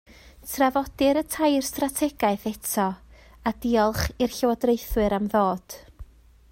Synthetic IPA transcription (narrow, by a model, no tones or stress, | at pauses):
tʰravɔd̥ɪɾətʰajrstratʰɛɡaɨθɛtʰɔ | ad̥iːɔlˠχirɬɪwɔdrejθwɨɾamðoːd̥